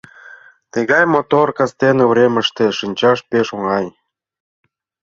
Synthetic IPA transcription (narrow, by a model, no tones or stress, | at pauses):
t̪ə̆ɣɑjmot̪orkɑst̪enevɾʲemə̆ʃt̪ĕʃɨnʲt͡ɕɑʃpeʃoŋɑj